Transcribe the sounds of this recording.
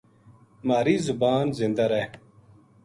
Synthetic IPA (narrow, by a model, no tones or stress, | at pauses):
maːɾiːzubaːnzĩnd̪ɐɾe